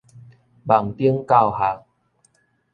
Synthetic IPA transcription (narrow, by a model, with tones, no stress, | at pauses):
ba˨˩ŋt̪i˦əŋka˥˧wha˨˧˦